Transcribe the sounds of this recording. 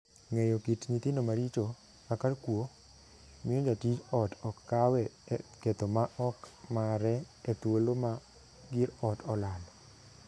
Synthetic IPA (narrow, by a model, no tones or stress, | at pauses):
ŋejokitɲit̪ɪndomaɾit͡ʃo | akarkwo | mɪjod͡ʒatit͡ʃɔtɔkːawɛket̪omaʔɔkmaɾɛː | t̪woloma | ɡɪɾɔtɔlal